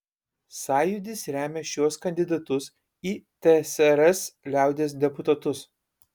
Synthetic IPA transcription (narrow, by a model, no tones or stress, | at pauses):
sɑːjʊd̪ʲɪsɾʲæːmʲɛʃʲuɔskɐnʲd̪ʲɪd̪ɐt̪ʊs | iːt̪ʲɛsɛɾɛslʲæˑʊd̪ʲeːs̬d̪ʲɛpʊt̪ɐt̪ʊs